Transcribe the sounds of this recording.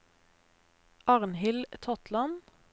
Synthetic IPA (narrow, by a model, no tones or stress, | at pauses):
ʔɑʁnhɪlt̪ʰɔt̪lɑn